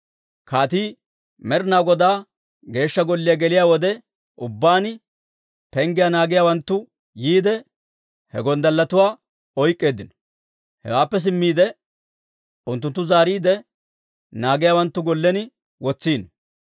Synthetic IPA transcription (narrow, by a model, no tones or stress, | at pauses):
kaːt̪iː | mɛɾnaːwɡɔd̪aː | ɡe̞ːʃːɐɡɔlːɪjaɡɛlɪjaːwɔd̪ɛ | ʊbːaːn | pɛŋɡɪjanaːɡɪjaːwɐnt̪ːʊ | jiːd̪ɛ | hɛ̰ɡɔnd̪ɐlːɐt̪ʊwaː | ɔjkʼːe̞ːd̪ɪnɔ̥ | hɛ̰waːpːɛs̬ɪmːiːd̪ɛ | ʊnt̪ːʊnt̪ːʊzaːɾiːd̪ɛ | naːɡɪjaːwɐnt̪ːʊɡɔlːɛnɪ | wɔt͡sːiːn